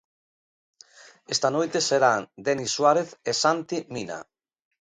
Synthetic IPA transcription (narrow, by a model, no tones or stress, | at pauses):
est̪anojt̪eseɾaŋd̪eniswaɾeθesant̪imina̰